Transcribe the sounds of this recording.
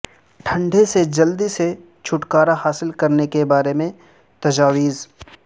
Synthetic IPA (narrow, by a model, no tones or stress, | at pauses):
ʈʰɐ̃ɳɖʱesed͡ʒɐld̪ise | t͡ʃʰʊʈkaːɾahaːsɪlkɐɾnekebaːɾemẽ | t̪ɐd͡ʒaːʋiːz